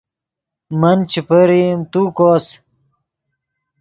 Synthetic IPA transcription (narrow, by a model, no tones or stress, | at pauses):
mɐnt͡ɕipɐɾimt̪uːkoːs